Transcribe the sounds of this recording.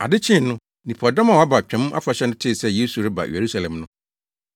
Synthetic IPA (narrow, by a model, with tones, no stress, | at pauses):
a̰˨dɪ˦t͡ɕʰɪ̃˦˨˦nʊ̃˦ | nĩ˨pʰɔ˨da˦mã˨wa˦ba˨t͡ɕᶣɛ̃˨˦m˦a̰˦fa˨ɕɛ˦nʊ̃˦tʰɪ˦˨sɛ˦je˦su˨ɾɪ˦ba̰˨je˨ɾu˦sa˨lɛ̃˨mnʊ̃˦